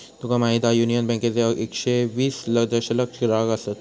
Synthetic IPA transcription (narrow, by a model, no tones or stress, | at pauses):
t̪ukamaɦid̪ajunijənbɛ̃ŋket͡seekɕeʋiːsləd͡z̪əɕələkʂɾaɡasat̪